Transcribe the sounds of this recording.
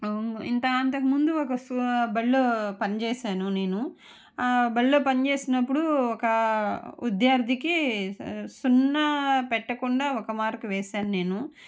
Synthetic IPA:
ḭnt̪ɐɐnt̪ɐkimund̪uɔkɐsubɐlloːpɐnit͡ʃɛːʃaːnune̞ːnu | bɐllo̞ːpɐnit͡ʃeːsinɐp̬ːuɽuɔkɐud̪jaːɾd̪ʱiki | sunːɐpɛʈːɐkuɳɖaːɔkɐmaːɾkuʋɛːʃaːnune̞ːnu

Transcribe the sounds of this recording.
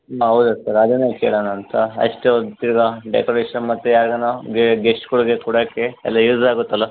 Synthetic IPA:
ɦɐwd̪usɐɾɐd̪enːeːkeːɭonɐnt̪ʰɐɐ̰ʂʈeod̪t̪iɾɡɐɖḛkoɾeːʂɐnmɐt̪ːejaːɡɐnoɡeɡesʈkuɽɡekuːɽɐkeɛlːɐjuːsaːɡut̪ːɐlːɐ

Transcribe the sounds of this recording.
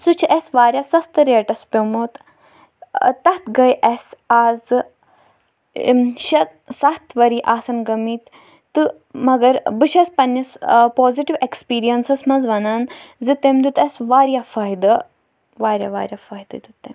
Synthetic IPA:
sut͡ʃʰʔɛsʋaːɾʲjaːsɐst̪ɨɾeːʈɐspʲomoːt̪ | t̪ɐt̪ɡɐjʔɐsaːz | ʃɐt̪ | sɐt̪ʰʋɐɾiːʔaːsɐnɡɐmiːt̪ | t̪ɨ | mɐɡɐɾbɨʃɐspɐnːɐspoːziʈiʋekspiːɾijɐnsɐsmɐnzʋɐnaːnzɨt̪emd̪ʲut̪ɐsʋaːɾijaːfɐɦid̪ɐ | ʋaːɾʲja̰ʋaːɾʲjaːfɐːid̪ɐd̪ut̪ːem

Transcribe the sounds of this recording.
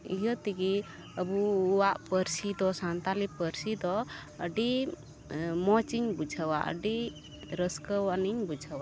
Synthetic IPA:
iɦət̪iɡi | əbuːwaʔpəɾsid̪ɔsant̪alipəɾsid̪ɔəɖi | mɔt͡ʃiŋbud͡ʒʱawaʔə̰ɖi | ɾəskəwaniŋbud͡ʒʱawa

